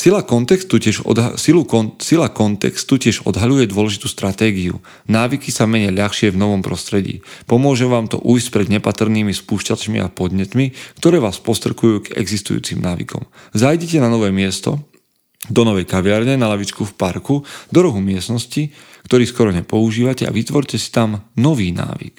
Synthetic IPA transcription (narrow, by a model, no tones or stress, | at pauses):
silakɔnt̪ɛkst̪uɛʒsilusilakɔnt̪ɛ̰kst̪ucɪɛʒɔ̰d̪ɦaʎujɛd̪ʊwɔlɛʒit̪uːst̪ɾat̪ɛːɡiṵ | naːʋikisamɛɲɪɛʎaxʃɪɛvnɔʋɔmpɾɔst̪ɾɛɟḭːpɔmʊɔʒɛʋaːmt̪ɔ̰ʔuːjscpɾɛd̪ɲɛpat̪r̩niːmispuːʃcat͡ʃmḭʔa̰pɔd̪ɲɛt̪mikt̪ɔɾɛːʋaːspɔst̪ɾɛkujuːɡɛ̰ɡzist̪ṵjṵːt͡simnaːʋḭkʰɔ̰mzajɟɛcɛnanɔʋɛːmɪɛst̪ɔ | d̪ɔnɔʋɛjkaʋɪaɾɲɛnalaʋit͡ʃkufpaɾkud̪ɔɾɔɦumɪɛsnɔsci | kt̪ɔɾiːskɔɾɔɲɛpɔuʒiːʋacɛa̰ʋit̪ʋɔɾcɛsi̥t̪amnɔʋiːna̰ːʋḭk